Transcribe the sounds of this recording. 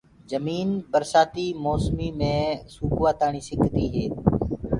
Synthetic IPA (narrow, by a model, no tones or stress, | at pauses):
d͡ʒəmiːnbəɾsaːt̪iːmoːsmiːmẽːsuːkʋaːt̪aːɳiːsɪkʰːt̪iːɦeː